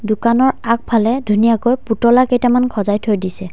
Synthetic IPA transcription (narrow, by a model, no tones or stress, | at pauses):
dʊkanɔɹak̚pʰalɛdʱunijakojputɔlakejtamankʰɔzajtʰojdisɛ